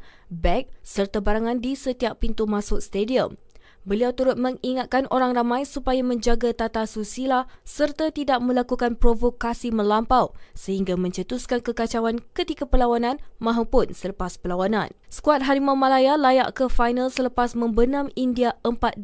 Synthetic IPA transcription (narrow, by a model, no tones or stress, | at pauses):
bɛk̚sərt̪abaɾaŋãndisət̪iaʔpint̪umãsʊk̚st̪ediəm | bəliawt̪uɾʊt̪̚mə̃ŋiŋat̪̚kanʔoɾaŋramãjsupajamə̃ɲd͡ʒaɡat̪at̪asusilasərt̪at̪idaʔ̚mə̃lakukanpɾovokasimə̃lampawsəhiŋɡamə̃ɲt͡ʃət̪uskankəkat͡ʃawankət̪ikapəlawanãnmãɦapʊnsələpaspəlawanã̰nsə̥kuat̪̚ɦaɾimamãlajalajaʔkəfajnalsələpasmə̃mbənãmindiaəmpat̪̚d